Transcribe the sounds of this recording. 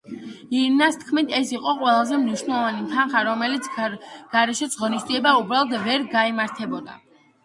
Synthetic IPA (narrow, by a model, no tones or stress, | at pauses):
iɾnast̪ʰkʰmit̪ʰɛsiqʼɔqʼwɛlˠazɛmniʃwnɛlˠɔvanimt̪ʰanχaɾɔmɛlit̪sʰɡ̥aɾɛʃɛsʰʁɔnisd̪ziɛbaubɾalˠɔt̪vɛɾɡaimaɾt̪ʰɛbɔd̪a̰